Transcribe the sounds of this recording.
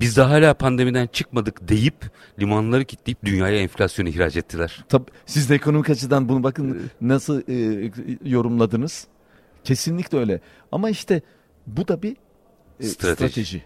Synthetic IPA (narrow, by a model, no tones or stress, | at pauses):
bizd̪ɛɦaːlʲaːpʰand̪e̞mid̪ænt͡ʃʰɯkmad̪ɯkd̪e̞jip | lʲimanlˠaɾɯcʰit̪lʲejip̚d̪ynjaːjaɛnflʲasjo̞nuhiɾaːd͡ʒɛt̪ʰːilʲæɾ̥t̪ʰabsizd̪ɛekʰo̞no̞mikat͡ʃʰɯd̪anbunubakɯnnasɯlˠː | jo̞ɾumlˠad̪ɯnɯz̥ | cʰe̞sinlʲicʲlɛø̞jlʲɛ | a̰maiʃt̪ʰɛ | bud̪abi | st̪ɾat̪ɾat̪ʰeʒḭ